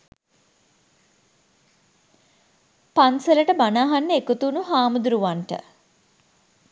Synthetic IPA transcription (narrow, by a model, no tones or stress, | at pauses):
panseləʈəbanaːɦanːəekut̪uːnuɦaːmud̪uɾuʋaɳʈə̰